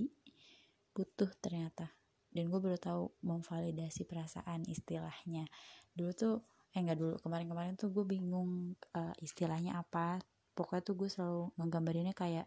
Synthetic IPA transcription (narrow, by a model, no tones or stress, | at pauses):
b̥ut̪ʊht̪ərɲat̪a | danɡuabəɾut̪auməɱfalidasipəɾasa̰ʔanḭst̪ilahɲadulut̪u | jaŋɡaʔdulṵkəmaɾɪnkəmaɾɪnt̪uɡuabiŋʊŋəʔist̪ilahɲaʔapa | pokat̪uɡuasəlaluŋəɡambaɾinɲakajaʔ